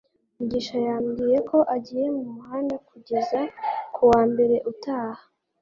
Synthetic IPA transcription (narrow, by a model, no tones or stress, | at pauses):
muɟiːʃajaːmɡiːje̞ko̞ʔaɟiːje̞mumuhaːndakuɟe̞zakʰuwaːmbe̞ɾe̞ʔutaːhḁ